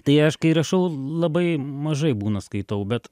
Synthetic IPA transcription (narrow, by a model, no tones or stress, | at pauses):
t̪ɐɪɐʃkɐɪɾɐʃɐʊlˠɐbɐɪmɐʒɐɪbuːnɐskɐɪt̪ɐʊbʲɛt̪